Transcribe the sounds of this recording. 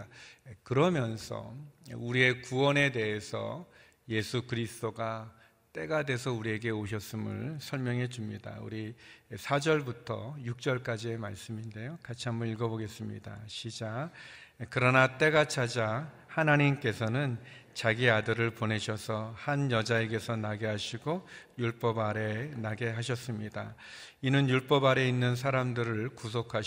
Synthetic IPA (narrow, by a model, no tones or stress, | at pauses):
kɯɾʌmjʌnsʰʌ̰uɾie̞kuwʌne̞de̞ɦesʰʌ̰ | je̞sʰukɯɾisʰɯ̥t͈oɡa | t͈e̞ɡade̞sʰʌuɾie̞ɡe̞oɕʰʌs͈ɯmɯ̰ɭsʰʌɭmjʌŋe̞d͡ʑumɲida̰ṵɾisʰad͡ʑʌɭbutʰʌ̰juk̚t͡ɕ͈ʌɭk͈ad͡ʑiemaɭs͈ɯminde̞jokat͡ɕʰiɦambʌniɭɡʌboɡe̞s͈ɯmɲḭda̰ɕʰid͡ʑa | kɯɾʌnat͈e̞ɡat͡ɕʰad͡ʑa | hanaɲimk͈e̞sʰʌnɯnt͡ɕaɡiadɯɾɯɭpone̞ɕʰʌsʰʌhanjʌd͡ʑae̞ɡe̞sʰʌnaɡe̞ɦaɕʰiɡojuɭp͈ʌbaɾe̞naɡe̞ɦaɕ̬ʰʌs͈ɯmɲidainɯnjuɭp͈ʌbaɾe̞inːɯns̬ʰaɾamdɯɾɯɭkus̬ʰokʰa